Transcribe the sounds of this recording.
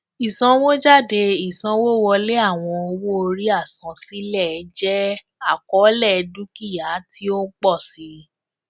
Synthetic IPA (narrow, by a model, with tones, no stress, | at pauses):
i˨sã˨˧wo˦d͡ʒa˦˨de˧i˨sã˧wo˦wɔ˧le˦a˦˨w̃ɔ̃˧o˧wo˦o˧ɾi˦a˦˨sã˨˦si˨˦lɛ˦˨ɛ˨˦d͡ʒɛ˦ | a˦˨kɔ˨˦lɛ˦˨˧dũ˦ki˦˨ja˨˦ti˦o˦k͡pɔ˦˨si˨˦